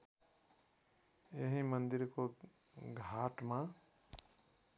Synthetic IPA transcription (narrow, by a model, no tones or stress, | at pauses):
jeɦĩmʌnd̪iɾko | ɡʱaʈmã